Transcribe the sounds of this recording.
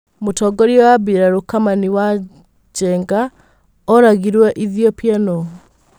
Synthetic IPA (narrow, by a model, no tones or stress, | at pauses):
motɔɡɔɾiɔwaβiɾaɾokamaniwa | d͡ʒɛŋɡa | ɔɾaɣiɾwɛʔiðiɔpjanɔ